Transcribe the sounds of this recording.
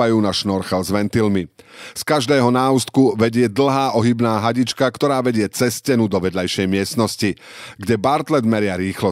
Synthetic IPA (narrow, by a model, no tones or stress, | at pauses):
ajuːnaʃnɔɾxɛlzʋɛnt̪ilmiskaʒd̪ɛːɦɔnaːust̪̚kuʋɛɟɪɛd̪l̩ˠɦaːʔɔɦibnaːɦaɟit͡ʃkakt̪ɔɾaːʋɛɟɪɛt͡sɛscɛnud̪ɔʋɛd̪lajʃɛjmɪɛst̪nɔsci | ɡɟɛbaɾt̪lɛd̪mɛɾɪaɾiːxlɔ